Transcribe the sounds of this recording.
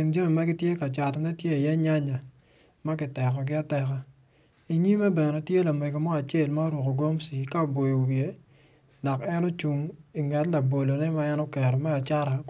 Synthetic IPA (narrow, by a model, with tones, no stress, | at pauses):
ɪ˨nd͡ʒo˦mi˨ma˦ɡɪ˦tje˦ka˨t͡ʃa˨tnɛ˦tje˦i˨jɛ˦ɲa˦ɲa˨ | ma˦kɪ˨tɛ˨kɔ˨ɡɪ˦a˦tɛ˨ka˦ | i˨ɲi˦mɛ˦bɛ˨nɛ˨tje˦la˨me˨ɡo˨mɔ˦a˨t͡ʃe˦˨lma˦ɾwo˨ko˨ɡo˦msi˨ka˦˨bo˨jo˨wɪe˦ | la˨kɛ˦nɔ˦t͡ʃu˨ŋi˨ŋɛ˨tla˨bo˨lo˨nɛ˦ma˦ɛ˦nɔ˦kɛ˨ɾɔ˨mɛ˦a˨t͡ʃa˦ɾa˨